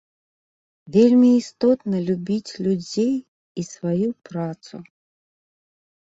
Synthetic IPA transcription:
vʲelʲmʲiːst̪ɔt̪nəlʲubʲit͡sʲlʲud͡zʲej | isvajupɾat̪sṵ

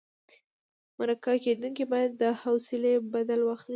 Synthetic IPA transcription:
maɾakaked̪uŋkibɑjad̪ːəhawsɪlebad̪alwaxt̪n

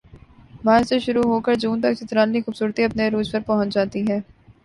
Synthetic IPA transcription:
maːseʃʊɾuɦoːkɐɾd͡ʒuːnt̪ɐksɪt̪ɾaːlnixuːbsuːɾt̪iɐpneɾuːd͡ʒpɐɾpɐɦʊ̃t͡ʃd͡ʒaːt̪iɦɛː

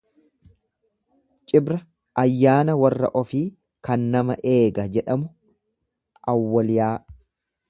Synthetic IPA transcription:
t͡ʃʼɪbɾɐ | ʔɐjːaːnɐwɐrːɐ̰ʔɔfiː | kɐnːɐmɐʔe̞ːɡɐd͡ʒɛᶑɐmʊ | ʔɐwːɐlɪjaː

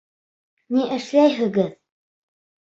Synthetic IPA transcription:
niʔɘ̆ʃlæjɦɘ̆ɡɘð

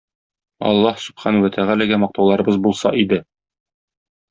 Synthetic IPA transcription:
ɒ̰lˠːɑhsɵ̥b̥χɑnwæt̪ʰæʁælæɡæmɒq̚t̪ɑwlˠɑɾɤ̆bɤzbulˠsɑ̰ʔid̪ɘ

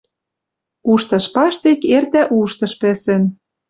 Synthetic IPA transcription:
uʃt̪ɤ̆ʃpɑʃt̪ekert̪æʔuʃt̪ɤ̆ʃpĕsĕn

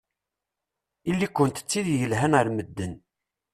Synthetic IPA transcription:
ilːikʷːənt̪ə̥t͡sːiðjəlɦænəɾməd̪ːən

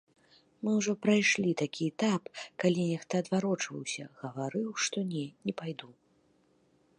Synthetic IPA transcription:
mɨwʐɔpɾajʂlʲit̪akʲiɛt̪apkalʲinʲɛxt̪ɐɐd̪vaɾɔt͡ʂvɐ̰wsʲɐ̰ɣɐvaɾɨwʂt̪ɔnʲɛnʲɛpajd̪u

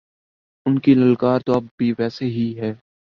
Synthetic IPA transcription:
ʊnkilɐlkaːɾt̪oɐbːʱiʋɛːseɦiɦɛː

